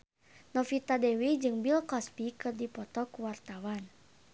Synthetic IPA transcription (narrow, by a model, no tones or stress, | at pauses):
nɔfit̪adɛwid͡ʒɨŋbilkɔspikɨrdipɔt̪ɔkuwart̪awan